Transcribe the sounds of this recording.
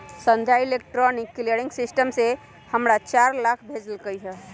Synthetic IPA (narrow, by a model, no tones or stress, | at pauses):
sənd̪ʱjailek̚ʈɾɔnikːleɽĩŋɡsisʈəmse | həmɾat͡ʃaɾlakʰbʱed͡ʒəlkəjɦɛ